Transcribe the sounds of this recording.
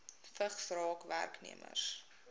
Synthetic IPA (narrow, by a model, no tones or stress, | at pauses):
fəχsrɑːkvæ̰rknḭəmə̰rs